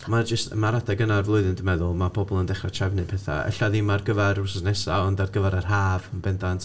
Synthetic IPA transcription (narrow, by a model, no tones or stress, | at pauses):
mad͡ʒəstmaɾadʰaɡənarvlˠʊɨðɨndəmɛðʊlˠmabʰɔbɔlˠəndɛχrat͡ʃʰɛvnɨpʰɛθa̰ɛ̰ɬaðimarɡəvɛɾʊsəsnɛsaɔndarɡəvɛɾər̥ɦaːvənbɛndantʰ